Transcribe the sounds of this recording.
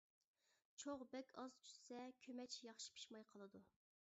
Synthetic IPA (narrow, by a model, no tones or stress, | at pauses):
t͡ʃʰoʁbɛkʲʰɑzt͡ʃʰy̥ssɛkʲʰømɛt͡ʃʰjɑχʃi̥pʰi̥ʃmɑjqʰəlˠɨd̪u